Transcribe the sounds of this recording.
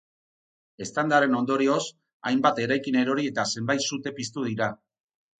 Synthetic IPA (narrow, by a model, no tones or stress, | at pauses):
e̞st̪and̪aɾe̞no̞nd̪o̞ɾio̞s | ajmbat̪e̞ɾajkine̞ɾo̞ɾie̞t̪ase̞mbajt̪sut̪e̞pist̪uð̞iɾa